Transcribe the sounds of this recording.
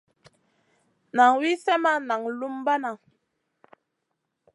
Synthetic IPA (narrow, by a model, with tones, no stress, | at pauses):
na˨ŋwi˦sɛ˦ma˦na˨ŋlu˦mba˦na˨